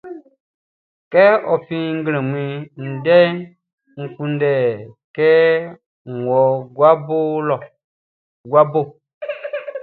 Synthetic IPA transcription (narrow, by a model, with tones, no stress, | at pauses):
kɛ˦ɔ˨pĩ˦ŋ̩˦ɡlẽ˨mĩ˨n̩˨dɛ˦ | ŋ̩˨kũ˨ndɛ˨kɛ˦ | ŋ̩˨wɔ˨ɡwa˦bo˦lɔ˨ | ɡwa˦bo˦˨